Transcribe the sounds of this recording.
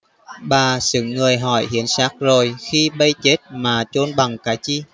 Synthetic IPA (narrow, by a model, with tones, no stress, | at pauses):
ɓaː˨˩sɨ̰˧˨ŋːɨ˨˩əjɦɔ˧˩jhi˨˦ənsaː˦˥k̚zo˨˩jxi˧ɓə˧jt͡ɕe˦˥t̚maː˨˩t͡ɕo˧nɓa˨˩ŋkaː˨˦jt͡ɕi˧